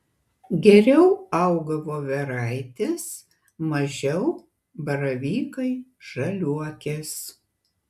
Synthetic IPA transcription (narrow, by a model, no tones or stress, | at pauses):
ɡʲɛɾʲɛʊɐʊɡɐʋoːʋʲɛɾɑˑɪt̪ʲes | mɐʒʲɛʊ | bɐɾɐʋʲiːkɐɪʒ̥ɐlʲuɔkʲes